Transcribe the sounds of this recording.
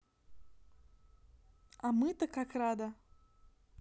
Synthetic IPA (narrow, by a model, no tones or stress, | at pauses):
amɨt̪əkakrad̪ə